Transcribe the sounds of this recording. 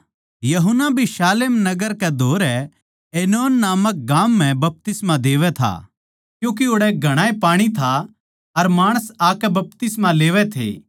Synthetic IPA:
jɐɦʊnːabʱiʃaːlemnɐɡəɾkɛd̪ʱoːɾɛ | eːnoːnːaːmək̚ɡaːm̤ːɛ̃bɐp̚t̪ɪsmad̪eːʋɛt̪ʰa̰ | kjũːk̬iʊɽɛɡʱɐɽ̃aːepaːɽ̃it̪ʰa | ɐɾmaːɽ̃əsaːkɛbɐp̚t̪ɪsmaleːʋɛt̪ʰḛː

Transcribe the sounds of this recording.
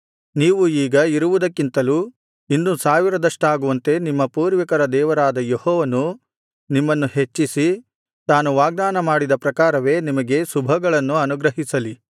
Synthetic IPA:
niːʋuiːɡɐiɾuʋud̪ɐkːint̪ɐluː | inːusaːʋiɾɐd̪ɐʂʈaːɡuʋɐnt̪e̞nimːɐpuːɾʋɐkɐɾɐd̪ɛːʋɐɾaːd̪ɐjehɔːʋɐnu | nimːɐnːuhe̞t͡ʃːisi | t̪aːnuʋaːɡ̚d̪aːnɐmaːɽid̪ɐpɾɐkaːɾɐʋe̞ːnimɐɡe̞subʱɐɡɐɭɐnːuɐnuɡɾɐɦisɐli

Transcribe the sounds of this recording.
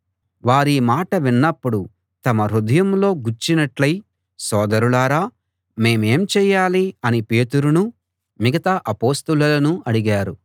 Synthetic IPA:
ʋaːɾiːmaːʈɐʋinːɐpːuɽu | t̪ɐmɐɾud̪ɐjɐmlo̞ːɡuɾt͡ʃːinɐʈlɐj | sɔːd̪ɐɾuɭaːɾaː | me̞ːme̞ːmt͡ʃɛːjːaːliɐnipe̞ːt̪uɾunu | miɡɐt̪aʔɐpo̞ːst̪ɐlɐlɐnuɐɽiɡaːɾu

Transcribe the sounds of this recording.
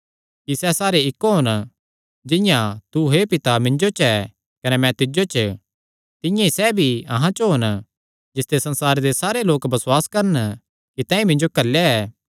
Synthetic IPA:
kisɛsaːɾeɪkːoɦon | d͡ʒɪ̃jãt̪uɦepɪt̪amɪ̃nd͡ʒot͡ʃɛ | kɐnɛmɛ̃t̪ɪd͡ʒot͡ʃ | t̪ɪ̃jãisɛbʱiɐ̰ɦãt͡ʃɦoːn | d͡ʒɪst̪esɐ̃nsaːɾed̪esaːɾeloːkbɐswaːskɐɾən | kit̪ɛ̃ːĩmɪ̃nd͡ʒokɐlːeɛː

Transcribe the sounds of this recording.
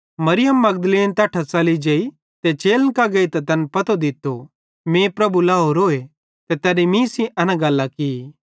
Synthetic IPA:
mɐɾɪjəmːɐɡ̚d̪əleːnt̪ɐːʈʰasaːlid͡ʒɐːi | t̪et͡ʃeːlnkaɡɐit̪ɐt̪ɐnpɐt̪od̪ɪt̪ːo | mẽːpɾɐbulaːɦoɾoːe | t̪et̪ɛːɾimĩsĩʔɐnãɡɐlːaki

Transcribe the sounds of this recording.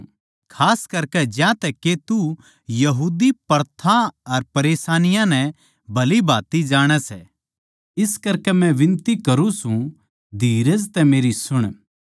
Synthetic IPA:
kʰaːskɐɾkɛd͡ʒjãt̪ɛkːet̪u | jɐɦuːd̪ipɐɾt̪ʰãɐɾpɐɾeːsaːnɪjãnɛ̃ | bʱɐlibʱaːt̪id͡ʒaːɽ̃ɛsɛ | ɪskɐɾkɛmɛ̃ʋɪ̃nt̪ikɐɾũsũ | d̪ʱiːɾəd͡ʒt̪ɛmeːɾisʊɽ̃

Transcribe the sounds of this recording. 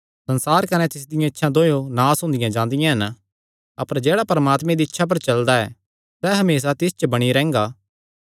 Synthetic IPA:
sɐ̃nsaːɾkɐnɛt̪ɪs̬d̪ɪjãɪtːʃʰãd̪oːjonaːsɦʊ̃ːnd̪ɪjãd͡ʒãːnd̪ɪjãɦɐn | ɐpəɾd͡ʒɛːɽapɐɾəmaːt̪mɛ̃d̪iːtːʃʰap̬ɐɾt͡ʃɐld̪aɛː | sɛɦɐmeːs̬at̪ɪst͡ʃbɐɽ̃iɾɛ̃ːŋɡaː

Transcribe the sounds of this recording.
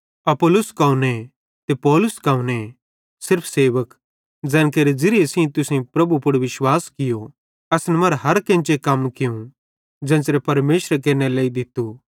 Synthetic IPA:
ɐpʊlʊskaːune | t̪epɔːlʊskãːũne | sɪɾpʰseːʋək | d͡zɛ̃ːnkeɾed͡zɪɾɪesĩt̪ʊsẽpɾɐbupʊɽʋɪʃwaːskɪjo | ɐsnɛmɐɾɦɐɾkẽːnt͡ʃekɐmkɪjũ | d͡ʒɛ̃ːsɾepɐɾmeːʃɾekeːneleːid̪ɪt̪ːu

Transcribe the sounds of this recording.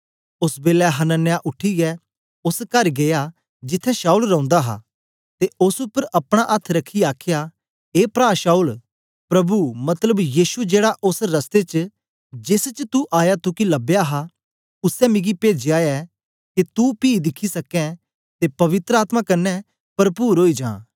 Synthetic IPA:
ʊsbeːlɛɦɐnənːjaʔʊʈʰiɡɛ | ʊskɐɾɡeja | d͡ʒɪt̪ʰːɛ̃ʃaːuːlɾɐ̃ʊ̃nd̪aɦa̰ː | t̪eʊsʊpːəɾʔɐpɽ̃aʔɐt̪ʰɾɐkʰːiaːkʰɪja | eːpɾaːʃaːuːl | pɾɐbumɐt̪ləbjiːsud͡ʒeːɽaʔʊsɾɐst̪et͡ʃ | d͡ʒɪst͡ʃt̪uʔaːjat̪ukilɐbejaɦa | ʊsɛmɪ̃ɡipeːd͡ʒjaːjɛ | kit̪upiːd̪ɪkʰisɐkɛ̃ | t̪epɐʋɪt̪ɾəaːt̪makɐnːɛ | pɐɾpuːɾɦoːid͡ʒã̰ː

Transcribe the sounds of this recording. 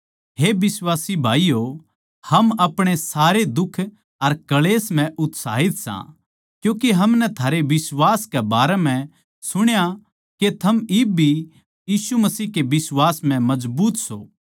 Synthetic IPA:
ɦeːbɪswaːsibʱaːijo | hɐmɐpɽ̃esaːɾed̪ʊkʰː | ɐɾkɐleːsm̤ɛ̃ʔʊt̪sa̰ːɦɪt̪sã̰ | kjũːkeɦɐmnɛt̪ʰaːɾeʋɪswaːskɛbaːɾɛmɛ̃ | sʊɽ̃ja | ket̪ʰɐmɪbʱi | jiːsumɐsiːɦkebɪswaːsmɛ̃mɐzbuːt̪so̰ː

